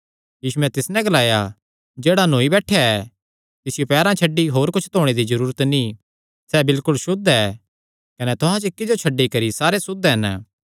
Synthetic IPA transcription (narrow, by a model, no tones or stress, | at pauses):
jiːsuɛ̃t̪ɪsnɛ̃ɡɐlaːja | d͡ʒeːɽanoːibɛːʈʰːjaɛ | t̪ɪsɪjopɛːɾãt͡ʃʰɐɖːiɦoːɾkʊt͡ʃʰt̪oːɽ̃ed̪izɐɾuːɾət̪nĩ | sɛbɪlkʊlʃʊd̪ɛː | kɐnɛt̪ʊɦãt͡ʃɪkːɪd͡ʒot͡ʃʰɐɖːikɐɾisaːɾesʊd̪ɦɛn